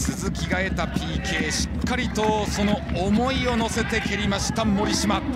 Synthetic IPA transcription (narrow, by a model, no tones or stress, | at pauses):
sɨzɨkʲiɡae̞t̪apʲiːkʰe̞ːɕi̥kkʰːaɾʲit̪o̞so̞no̞ːmo̞io̞no̞se̞t̪e̞kʲʰe̞ɾʲimaɕi̥t̪amːo̞ɾʲiɕima